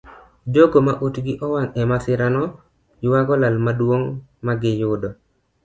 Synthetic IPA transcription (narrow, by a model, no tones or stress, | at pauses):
d͡ʒoɡomaʔotɡɪʔɔwaŋɛmasɪɾanɔ | jwaɡɔlalmadwoŋmaɡɪjʊdɔ